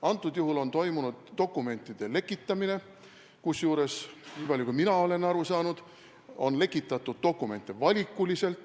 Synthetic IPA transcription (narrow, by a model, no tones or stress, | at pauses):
ɑnt̪ːˑud̪̥juɦulo̞nt̪o̞jmunud̪̥ːo̞kːˑume̞nʲt̪ːˑid̪̥e̞le̞kːˑit̪ˑːɑmine̞ | kusjuːɾe̞sniːpɑlʲjukujminɑo̞le̞nɑɾusɑːnud̪̥ | o̞̰nle̞kːˑit̪ːˑɑt̪ːˑud̪̥̚d̪o̞kːˑume̞nt̪ːˑevɑlʲikːˑulise̞lt̪ˑ